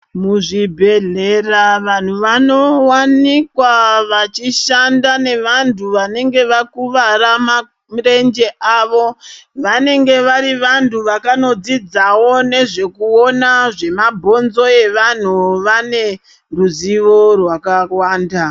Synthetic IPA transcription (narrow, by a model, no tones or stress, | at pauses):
muʐibʱe̞ɮeraʋan̤uʋano̞wanikwaʋat͡ʃiʃandane̞ʋantʰuʋane̞ŋɡe̞ʋakuʋaɾama | mre̞nd͡ʒe̞ʔaʋo̞ʋane̞ŋɡe̞ʋaɾiʋantʰuʋakano̞d͡zid͡zawo̞ne̞ʐe̞kuo̞naʐe̞mabʱo̞nzo̞e̞ʋan̤uʋane̞ | ruziʋo̞rwakawaːnda